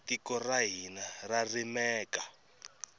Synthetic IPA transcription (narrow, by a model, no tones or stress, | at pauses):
tikɔraɦinararimɛːka